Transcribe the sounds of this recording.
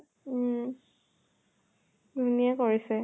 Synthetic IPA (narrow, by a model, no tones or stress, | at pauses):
dʱunijakoɹisɛ